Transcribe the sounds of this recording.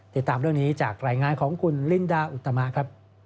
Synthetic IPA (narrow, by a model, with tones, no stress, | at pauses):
t̪i˨˩t̪ːaː˧mɾɯ˥˩ŋniː˦˥t͡ɕaː˨˩k̚ɾaː˧jŋaː˧nkʰɔː˩˦ŋkʰu˧nli˥˩ndaː˧˩ʔu˨˩t̪ːa˧ma˦˥kʰɾa˦˥p̚